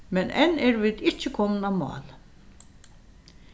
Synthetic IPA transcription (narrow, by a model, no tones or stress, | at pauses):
mɛnʔɛ̰nɛɾvɪːd̪ɪt͡ʃːəkʰɔmnamɑ̰ːl